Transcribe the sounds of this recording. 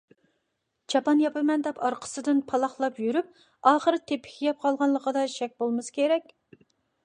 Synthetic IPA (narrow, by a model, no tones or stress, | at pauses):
t͡ʃʰɑpɑnjɑpɪmɛnd̪ɛpʰɑɾqʰə̥sɨd̪ɨnpʰɑlˠɑχlˠɑpjyɾyp̚ | ɑːχəɾɨt̪ʰepʰːɪ̥kʲʰijɛp̚qʰɑlˠʁɑnlˠəqəd̪ɑʃɛk̚ʲbolˠmɨsɨ̥kʲʰeɾɛkʲ